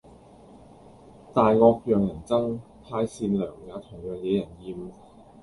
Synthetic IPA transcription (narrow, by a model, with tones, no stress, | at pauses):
t̪aː˨jŋɔː˧k̚jœː˨ŋjɐ˨˩nt͡sɐ˥ŋ | p̪ʰaː˧jsiː˧nlœː˨˩ŋjaː˨˧˥t̪ʰʊ˨˩ŋjœː˨ŋjɛ˨˧˥jɐ˨˩njiː˧m